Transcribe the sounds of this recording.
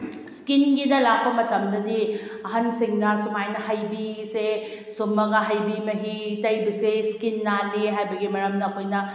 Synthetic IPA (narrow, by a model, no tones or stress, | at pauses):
skinɡinɐlak̚pɐmɐtɐmdɐdiɐɦɐnsiŋnɐsumajnɐɦajbise | sumːɐɡɐɦajbimɐɦitɐjbɐseskinːaleɦajbɐɡimɐɾɐmnɐːkʰojnɐ